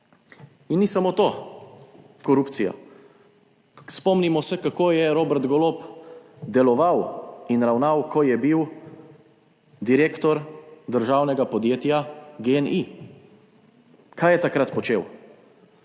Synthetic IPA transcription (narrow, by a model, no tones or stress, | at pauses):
inːisamoːt̪oː | kɔɾupt̪sijɔ̰ | spɔmnimɔsɛkakoːjɛɾoːbɛɾt̪ɡɔlop | d̪ɛlɔʋawinɾawnawkʰɔjɛbiw | d̪iɾeːkt̪ɔɾd̪əɾʒaːwnɛɡapɔd̪jeːt̪jaɡeɛnʔi | kʰaːjɛt̪akɾat̪pɔt͡ʃeːw